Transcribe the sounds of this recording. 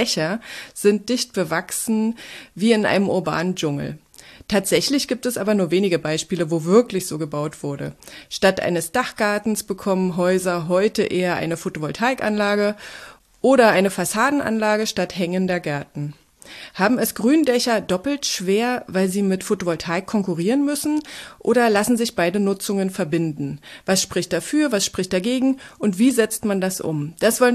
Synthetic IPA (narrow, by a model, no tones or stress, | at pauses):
ɛçɐz̥ɪnt̚d̥ɪçt̚b̥əvaksn̩viːɪnʔa̰ɪnəmʔʊɐba̰ːnənd͡ʒʊŋl̩ | tʰaːtz̥ɛçlɪçɡ̥iːp̚tɛsʔaːbɐnuːɐveːnɪɡəbaɪʃpiːləvoːvɪɐklɪçz̥oːɡəbaʊtv̥ʊɐdə̰ʃtatʔa̰ɪnəsd̥aχɡ̥aɐtn̩sb̥əkʰɔmənɦɔʏzɐɦɔʏtəʔeːɐʔa̰ɪnəfotovɔltʰaɪkʔa̰nlaːɡə | ʔoːɾɐʔaɪnəfasaːdn̩ʔa̰nlaːɡəʃtathɛŋəndɐɡɛɐtn̩ | haːbm̩ɛsɡ̥ʁyːndɛçɐdɔpl̩tʃv̥eːɐvaɪlziːmɪtfotovɔltʰaɪkʰːɔŋkuʁiːʁənmʏsn̩ʔo̰ːɾɐlasn̩zɪçb̥aɪdənʊt͡sʊŋənfɛɐbɪndn̩vasʃpʁ̥ɪçtd̥afyːɐvasʃpʁ̥ɪçt̚d̥aɡeːɡŋ̩ʔʊntv̥iːzɛt͡stmandasʔʊ̰md̥asz̥ɔlə